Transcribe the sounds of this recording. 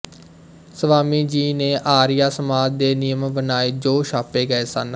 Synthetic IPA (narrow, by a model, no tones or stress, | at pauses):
səʋaːmiːd͡ʒiːneːʔaːɾɪjaːsəmaːd͡ʒd̪eːnɪjəmbənaːeːd͡ʒoːʃaːpeːɡəeːsə̰n